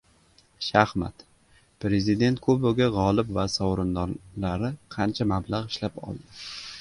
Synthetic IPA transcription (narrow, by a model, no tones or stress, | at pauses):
ʃahma̰t̪ | pɾe̞zɪd̪e̞nt̪̚kʰɵbʊɡʲaʁɒlˠɪpvasɒwɾɪnd̪ɒlaɾɪqʰɑnt͡ʃʰamablaʁɪʃlapɒ̰lˠd̪ɪ